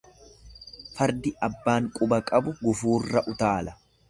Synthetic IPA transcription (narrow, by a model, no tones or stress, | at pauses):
fɐɾd̪ɪɐbːaːŋkʼʊbɐkʼɐbʊɡʊfuːrːɐʔʊt̪aːlɐ̥